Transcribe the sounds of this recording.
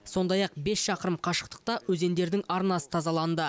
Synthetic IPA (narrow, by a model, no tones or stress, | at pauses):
so̞nd̪ɑjɑq̚be̞sʃɑqəɾəmqʰɑʃə̥q̚t̪ə̥q̚t̪ɑwɵze̞nd̪e̞ɾd̪ɪŋɑɾnɑsə̥t̪ʰɑzɑlˠɑnd̪ə